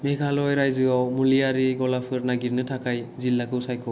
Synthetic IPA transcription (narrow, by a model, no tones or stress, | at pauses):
mekʰalɔjɾajzɯawmulijaɾiɡɔlapʰɯɾnaɡiɾnɯtʰakʰajzilːakʰɯwsajkʰɔ